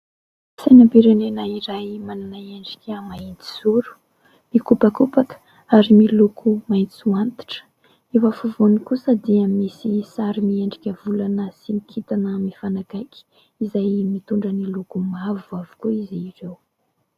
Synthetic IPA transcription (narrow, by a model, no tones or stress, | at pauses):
sajnapiɾenenəiɾajmananaeɳɖ͡ʐi̥kʲəmainti̥zuɾu̥ | mikupakupakə̥ | aɾimilukʰumait͡suant̪i̥ʈ͡ʂə̥ | evafuvunikusəd̪iəmisisaɾimieɳɖ͡ʐikʲəvulanəsinikʰit̪anəmifanakajkʲi̥ | izajmit̪uɳɖ͡ʐənilukumavuavu̥kuiziːrew